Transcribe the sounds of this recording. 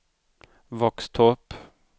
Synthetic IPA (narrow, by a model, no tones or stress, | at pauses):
vɔkst̪ʰɔp